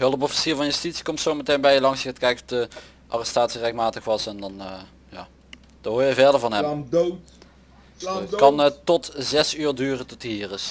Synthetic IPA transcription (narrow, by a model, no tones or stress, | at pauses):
ɦɵlˠəp̬ɔfi̥siːɹvɑnjəstitsi̥kɔmtsowmətejnbɛjəlɑŋsəətkɛjkɔfdə | ʔa̰ːrɛstaːtsirɛxtmaːtəxʋɑsɛndɑn | ja̰ː | d̥əɦoːɹjəvɛɹdəɹvɑnɦɛm | kɑntɔtzɛsyːɹdyːrətɔtiːrɪs